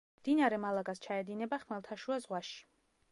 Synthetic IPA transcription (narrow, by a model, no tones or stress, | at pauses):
md̪̥inaɾɛmalˠaɡast͡ʃʰaɛd̪inɛbaχmɛlˠt̪ʰaʃuazʁwaʃi̥